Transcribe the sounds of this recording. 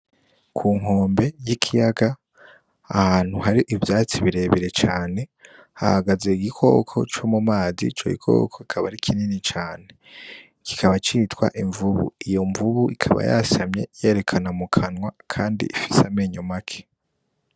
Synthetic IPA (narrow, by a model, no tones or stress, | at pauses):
kʰuːŋ̥ɦo̞ːmbe̞jikʰijaɡa | ahaːn̥huɦaɾiʔivjaːt͡siβiɾe̞βiɾe̞t͡ʃaːne̞ | ha̰haɡaze̞iɡikʰo̞̰ːkʰo̞̰t͡ʃo̞mumaːzḭt͡ʃo̰ɡḭkʰo̰ːkʰo̞ikʰaβaɾikʰininit͡ʃaːne̞ | ki̥kʰaβat͡ʃiːtwa̰ʔiɱvuβṵijo̞ɱvuβuikʰaβa̰ja̰samɲe̞̰je̞ːɾe̞kʰanamukʰanwakʰaːndḭʔifi̥sameɲomakʰe̥